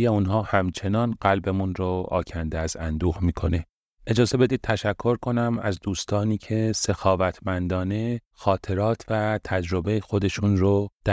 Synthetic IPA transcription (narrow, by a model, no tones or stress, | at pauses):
jeunɦɒːhæmt͡ʃʰe̞nɒːnɢælbe̞munɾoʔɒ̰ːcʰænd̪eæzænd̪uːxmiːkʰo̞ne | e̞d͡ʒɒːze̞be̞d̪iːd̪̚t̪ʰæʃækʰːo̞ɾkʰo̞næmæ̰zd̪uːst̪ʰɒːniːcʰe̞se̞xɒːvæt̪ʰmænd̪ɒːne̞ | xɒːt̪ʰe̞ɾɒːt̪ʰvæt̪ʰæd͡ʒɾo̞be̞jexo̞d̪e̞ʃunrod̪̥æ